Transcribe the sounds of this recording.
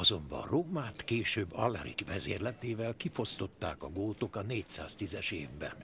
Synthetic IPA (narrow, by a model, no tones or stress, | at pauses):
ɒzo̞mbɒ̰roːmaːt̪keːʃøːbːɒ̰lːɛɾḭkvɛzḛːrlɛt̪eːvɛlkifo̞st̪o̞t̪ːaːkɒɡoːlt̪okɒneːcsa̰ːst̪izɛʃeːvbɛ̰n